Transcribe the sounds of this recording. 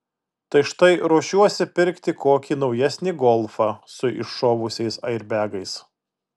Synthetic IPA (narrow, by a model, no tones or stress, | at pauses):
t̪ɐɪʃt̪ɐɪɾoːʃʲuɔsʲɪpʲɪɾʲkt̪ʲɪkoːkʲiːnɒʊjɛsʲnʲiɡɔlˠfɑsʊɪ̰ʃːoːʋʊsʲɛɪsɐɪɾʲbʲæːɡɐɪs